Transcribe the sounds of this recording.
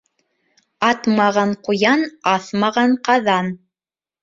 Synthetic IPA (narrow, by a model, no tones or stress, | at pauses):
ɑt̪mɑʁɑɴqujɑnɑθmɑʁɑɴqɑðɑn